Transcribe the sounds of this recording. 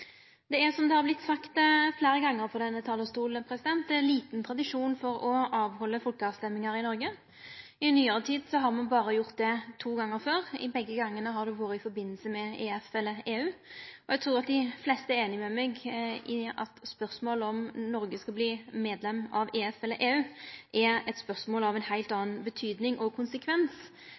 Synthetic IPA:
d̪̥ɛæʁsɔmd̪ɛhɑɾblɪt̪ːsɑkt̪fleːɾəɡɑŋːəɾpɔd̪ɛnːət̪ʰɑːləst̪uːlpʰɾɛsɪd̪ɛnt̪d̪ɛliːt̪nt̪ʰɾɑd̪ɪʂuːnfɔɾɔɑːʋhɔlːəfɔlkəɑːst̪ɛmːɪŋɑɾɪnɔɾɡə | ɪnːyːəɾət̪ʰiːd̪sɔɦɑɾmɑnbɑːɾəjʊʁt̪̚d̪ɛt̪ʰuːɡɑŋːəɾføːɾɪ̰bɛɡːəɡɑŋːənəɦɑd̪ʉʋoːɾət̪ɪfɔɾbɪnːlsəmɛeːɛfɛlːəeːʉːɔɛɡ̚t̪ʰɾuːʁɑt̪̚d̪ɪflɛst̪əæɾeːnɪmɛmɛɡɪɑ̰t̪spœʁsmoːlɔmnɔɾɡəskɑbliːmeːd̪lɛmːɑʋeːɛfɛləʔeːʉːʔɛɾɛt̪spœɾsmoːlɑʋɛnhæɪlt̪ɑːnbət̪ʰyːd̪nɪŋʔɔkʰʊnsəkʰʋɛns

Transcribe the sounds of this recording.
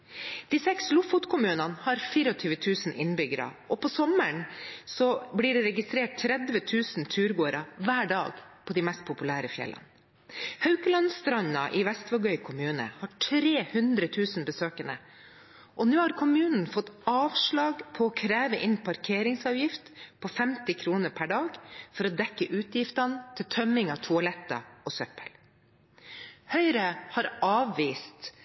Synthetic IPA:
d̪̥iːsɛkslʊfʊt̪kʰʊmʉːnɑnhɑɾfiːɾɔt̪ʰyːʋət̪ʰʉːsn̩ʔɪnbʏɡəɾɑ̰ʔɔpʰɔsɔməɳsɔbliːɖɛɾɛɡɪst̪ɾeːʈ̚t̪ʰɾɛd̪ʋət̪ʰʉːsnt̪ʰʉːɾɡoːɾɑʋæːɖɑ̰ːɡpʰɔd̪ɪmɛst̪̚pʰʊpʉlæːɾəfjɛ̰lːɑ̰n | hɑʉkəlɑnst̪ɾɑɲɑ̰ʔɪʋɛst̪ʋɑɡœʏkʰʊmʉːnə̰hɑʈʰɾeːhʉnd̪ɾət̪ʰʉːsnbəsøːkənə̰ | ʔɔnʉːhɑɾkʰʊmʉːnn̩fɔt̪ːɑːʋʂɭɑːɡpʰɔɔkʰɾæːʋəʔɪnpʰɑɾkʰeːɾɪŋsɑːʋjɪft̪pʰɔfɛmt̪ɪkʰɾuːnəɾpʰæɖɑːɡfɔɾɔd̪ɛkːəʔʉːt̪ʰjɪft̪ɑnt̪ʰɪlt̪ʰœmɪŋɑʋt̪ʰʊɑlɛt̪ːɑ̰ɔsœpəl | hœʏɾəhɑɾɑːʋːiːst̪

